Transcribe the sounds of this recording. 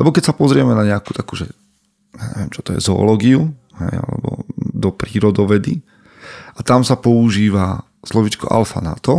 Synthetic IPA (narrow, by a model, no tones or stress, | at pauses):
lɛbɔkɛcsapɔzɾɪɛmɛnaɲɛakuːt̪akuːʒɛ | ɲaɲɛ̰ʋɪɛmt͡ʃɔt̪ɔjɛ̰zɔ̰ːlɔːɡiu | ɦɛja̰lɛ̰bɔ̰d̪ɔpɾiːɾɔd̪ɔʋɛd̪i | ʔat̪amsapɔuʒiːʋa | slɔʋiːt͡ʃkɔ̰ʔa̰lfa̰na̰t̪ɔ